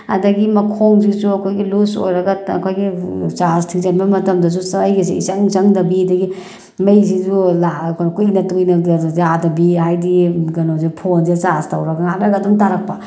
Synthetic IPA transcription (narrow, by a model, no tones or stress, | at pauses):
ɐ̰dɐɡimɐkʰoŋzizuɐkʰojɡiluso̰jɾɐɡɐɐ̰kʰojɡit͡ʃastʰiŋzanbɐmɐtɐmdɐs̬usajɡiziisaŋzɐŋdɐbidɐɡi | mɐjzizulaknkujnɐtujnɐɡzadɐbiɦajdiɡɐnozipʰondit͡ʃastɐwɾɐɡɐŋatɾɐɡɐdumtaɾɐk̚pa